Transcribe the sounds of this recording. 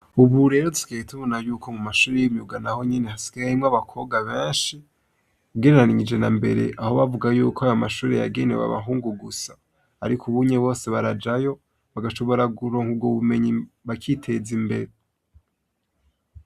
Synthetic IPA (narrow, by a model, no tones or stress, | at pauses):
uβuɾe̞ːɾotu̥kejetʰuβonajuːkʰo̞mumaʃuːɾejimɲuɡanaho̞ɲenehasi̥ɡaaɾimŋaβakʰo̞ɡaβeːnʃi | uɡeneɾaniɲid͡ʒe̞nambe̞̰ɾe̞̰ʔaho̞βavuɡajuːkʰoajamaʃuːɾe̞ja̰ɡe̞ne̞̰wa̰βa̰ɦuːŋɡuɡusaː | ɾikʰuβuɲeβo̞ːse̞βaɾad͡ʒajo̞ | βaɡaʃo̞βo̞ɾaɡuɾo̞ːŋubɡoβume̞ɲiβakʰitʰe̞zimbe̞ɾe